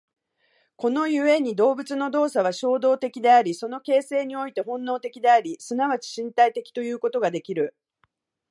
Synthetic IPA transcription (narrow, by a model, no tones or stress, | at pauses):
ko̞no̞jɯ̟e̞ɲ̟id̪o̞ːbɯ̟t͡sɨno̞d̪o̞ːsaβ̞aɕo̞ːd̪o̞ːt̪e̞kʲid̪e̞aɾʲiso̞no̞ke̞ːse̞ːɲ̟io̞it̪e̞ɦõ̞nːo̞ːt̪e̞kʲid̪e̞aɾʲisɨnaβat͡ɕi̥ɕĩnt̪ait̪e̞kʲi̥t̪o̞jɯ̟ːko̞t̪o̞ɡad̪e̞kʲiɾɯ̟